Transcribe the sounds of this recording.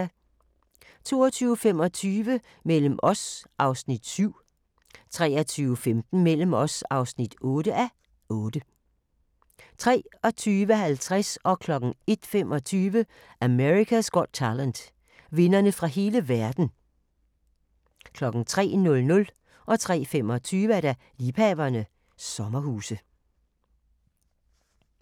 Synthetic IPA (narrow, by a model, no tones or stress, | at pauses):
t͡sʰo̝̰ːɒt͡sʰyːʊfem̰ɒ̽t͡sʰyːʋə | mel̰əm̩ʔɒsʔɑ̈ʊsnid̥syʊ̰ | t͡sʰʁɛ̰ːɐt͡sʰyːʊfemd̥n̩mel̰əm̩ɒ̽sɑ̈ʊsnid̥ɔ̽ːɾ̥əʔæ | ʔɔːd̥ə | t͡sʰʁɛ̰ːɒ̽t͡sʰyːʋəhælt͡sʰʁasɒ̽kʰlɒ̽ɡ̥n̩e̝d̥femʔɒ̽t͡sʰyːʋə | ʔæmeʁikʰæsɡ̥ɒd̥̚t͡sʰælænd̥ | ʋe̝nɐnəfʁɑ̈ɦe̝ːləʋæɐd̥n̩ | kʰlɒ̽ɡ̥n̩t͡sʰʁɛ̰ːnɔ̽lnɔ̽l | ʔɒ̽t͡sʰʁɛ̰ːfemɒ̽t͡sʰyːʋəæɐɾ̥æ | liːpʰɛːʋɐnə | sɒ̽mɐhuːsə